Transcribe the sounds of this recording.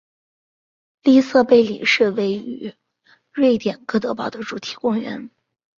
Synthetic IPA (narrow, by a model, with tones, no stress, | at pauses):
li˥sɤ˥˧pe˥˩ɪlḭ˨˩ʂɻ̩˥˩we˥˩ɪy̰˧˥ | ɻwe˥˩ɪt̪jɛ˨˩nkɤ˥˩t̪ɤ˧˥pɑ˨˩ʊd̪ə˦ʈ͡ʂu˨˩t̪ʰi̥˨˩kʊ˥ŋɥɛ̰˧˥n